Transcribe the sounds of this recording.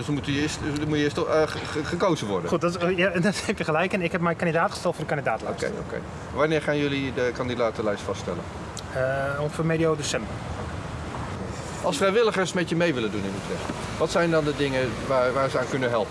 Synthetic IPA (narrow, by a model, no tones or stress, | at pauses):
səmutəjəɪːstmuəɪːstχəkowzəʋɔɹdəχut̚dɔtjadɔtefjəχəlɛjkɪnɪkɛp̚mɛjkandidaːtχəstɛlˠtfʊːrdəkandidaːtlɛoskḛjo̰kḛj | ʋanɪːɹχaːnjølidəkɑndidaːtəlɛjstfɑsttɛ̰lə̰n | əonfəmediowdesɛmbə | ʔɑlˠsfrɛjʋɪləχəɹsmɛtjəmejʋɪləndunɪnytrɛs | ʋɑtsɛjndɑndədɪŋəʋaːʋaːɹzəaːnkɵnəɦɛlˠpə